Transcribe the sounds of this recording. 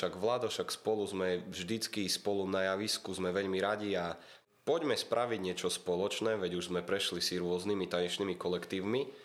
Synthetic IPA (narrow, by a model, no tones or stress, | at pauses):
ʃaɡʋlaːd̪ɔʃakspɔluzmɛvʒd̪it͡skispɔlunajaʋiskuzmɛʋɛʎmiɾaɟia | pɔɟmɛspɾʔaʋiɟɲɪɛt͡ʃɔspɔlɔt͡ʃnɛːʋɛɟuʒzmɛpɾɛʃlisiɾʊɔznimit̪aɲɛʃniːmikɔlɛkt̪iːʊmi